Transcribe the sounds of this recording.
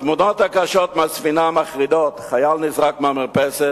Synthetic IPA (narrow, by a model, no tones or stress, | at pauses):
t̪mudɔt̪akaʃɔt̪mɪasfinamaχʁidot̪χajalnisʁakmamɪʁpɛsɛt